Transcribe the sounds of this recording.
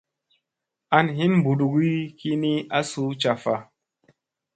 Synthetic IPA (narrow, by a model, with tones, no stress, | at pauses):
a˧nɦi˦nmbu˨du˨ɡi˦ki˦ni˦a˦su˦t͡ʃa˨fa˨